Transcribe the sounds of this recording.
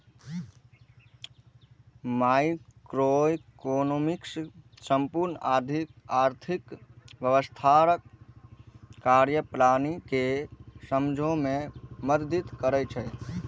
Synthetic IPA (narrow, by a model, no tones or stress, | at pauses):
maikɾokonomiks | səmpuɾnəaɾd̪ʱikaɾt̪ʰikʋjəʋəst̪ʰaɾək | aɾjəpɾanikesəmd͡ʒʱõmẽməɾd̪it̪kəɾɛt͡ʃʰɛ